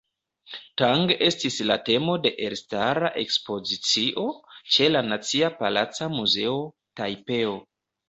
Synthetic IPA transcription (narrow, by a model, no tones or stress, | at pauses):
taŋɡe̞stisla̰te̞mo̞de̞ʔeɾstaɾaʔe̞kspo̞zit͡siʔo̞t͡ʃe̞lanat͡siapala̰t͡samuze̞o | tajpe̞o